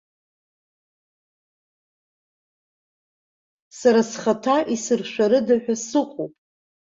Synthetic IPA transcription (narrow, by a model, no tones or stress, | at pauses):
saɾasχatʰaʔisɨrʃʷᶣaɾɨdaħᶣasɨχʷopʼ